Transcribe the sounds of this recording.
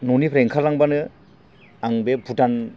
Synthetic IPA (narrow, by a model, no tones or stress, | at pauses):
nonipʰɾeŋkʰalaŋbanɯ | aŋbebʱutan